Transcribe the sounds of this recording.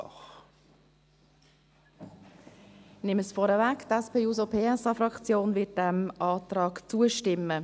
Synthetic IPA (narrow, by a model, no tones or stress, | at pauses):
nɪməsfɔɾəvæktɛspeːjuːzopʰeːɛsɑfɾɑkt͡sjoːnvɪt̚d̥æmʔɑːtɾɑːkt͡suəʃtɪmːə